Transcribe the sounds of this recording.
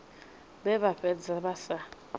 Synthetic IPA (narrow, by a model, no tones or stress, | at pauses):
bɛβaɸɛd͡zaɓasa